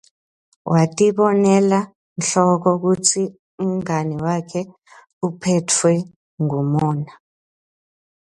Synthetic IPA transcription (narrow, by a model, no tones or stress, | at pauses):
wʔatʼiɓɔnɛla | nɬɔk̬ɔk̬ut͡sʰi | um̩ŋaniwakʰɛ | upʰɛtʰwɛ | ŋumɔːna